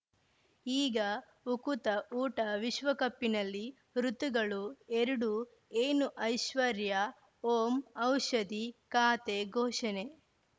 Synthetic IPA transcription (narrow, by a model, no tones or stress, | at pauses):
iːɡɐ | ukut̪ɐʔuːʈɐʋiʃʋɐkɐpːinɐlːi | ɾut̪uɡɐɭueɾuɽu | eːnuʔɐjʃʋɐɾjɐ | oːmɐwʃɐd̪ikaːt̪eɡʱoːʃɐne